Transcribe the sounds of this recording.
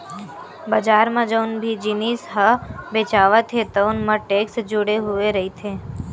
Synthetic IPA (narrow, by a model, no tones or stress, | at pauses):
bəd͡ʒaːɾmãd͡ʒəʊnbʱid͡ʒiniːsɦəbeːt͡ʃaːʋət̪ʰet̪ənmãʈeːksd͡ʒʊɽeɦʊeɾəɦit̪ʰeː